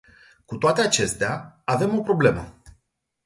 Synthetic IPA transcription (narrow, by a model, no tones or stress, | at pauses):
kut̪oat̪e̞at͡ʃe̞st̪eaave̞mo̞pɾo̞ble̞mə